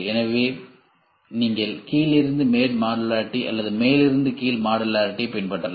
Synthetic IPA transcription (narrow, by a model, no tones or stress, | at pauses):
ɛnɐʋeː | niːŋɡɐɭkiːlɪɾɯnd̪ɯmeːɾmaːɽɐlaːɾʈːiʔɐ̰lːɐðɯmeːlɪɾɯnd̪ɯkiːlmaːɽɐlaːɾʈːipːɛnpɐʈːɐla